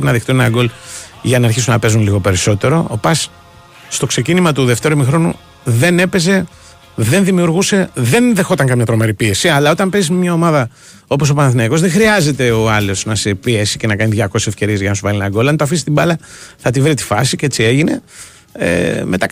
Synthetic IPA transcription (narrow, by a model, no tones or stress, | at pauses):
pinɐðext̪unenɐɡo̞lʝɐnɐɾçisunɐpe̞zunliɣo̞pe̞ɾiso̞t̪e̞ɾo̞ːpɐs | st̪o̞kse̞cinimɐt̪uðe̞ft̪e̞ɾuomixɾo̞nṵ | ðe̞ne̞pe̞ze̞ | ðe̞nðimiuɾɣuse̞ðe̞nðe̞xo̞t̪ɐŋkɐmɲɐt̪ɾo̞me̞ɾipie̞siɐlɐo̞t̪ɐmpe̞zizmemɲɐo̞mɐðɐ | o̞po̞s̬o̞pɐnɐθinɐiko̞zðexɾiɐze̞t̪e̞o̞ɐlo̞snɐsepiesice̞nɐkɐniðʝɐko̞sesefce̞ɾiezʝɐnɐsuvɐlinɐɡo̞lɐnt̪oɐfisist̪ibɐlɐθɐt̪ivɾit̪i̥fɐsiceet͡sie̞ʝine̞̰ | ḛme̞t̪ɐ